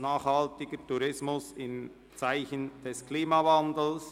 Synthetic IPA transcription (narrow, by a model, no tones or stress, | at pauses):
naːχhaltɪɡətuɾɪsmʊsɪn | t͡saɪçənd̥ɛskʰliːmavandl̩s